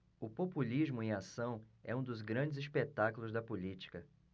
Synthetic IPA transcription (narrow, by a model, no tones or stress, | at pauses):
ʊpopulizmʊẽasɐ̃w̃ɛ̰ũd̪ʊzɡɾɐ̃d͡ʒɪzispet̪akʊlʊzd̪ɐpulit͡ʃi̥kɐ